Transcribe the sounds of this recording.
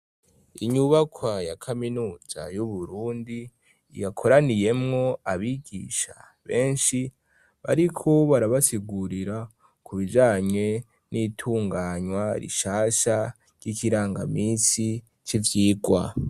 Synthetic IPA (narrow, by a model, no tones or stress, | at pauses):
iɲuβakʰwajakʰaminuːz̥a̰juβuɾuːndi | jakʰoɾanije̞mŋo̞aβiɡḭʃa̰ | βe̞ːnʃi | βa̰ɾikʰo̞βaɾaβasiɡuɾiɾa | kʰuβid͡ʒaːɲe̞ | nitʰuːŋɡaɲwaɾḭʃaːʃa | ɾ̥ɟ̥ikiɾaːŋɡa̰miːnsi | t͡ʃivjiːɡwa̰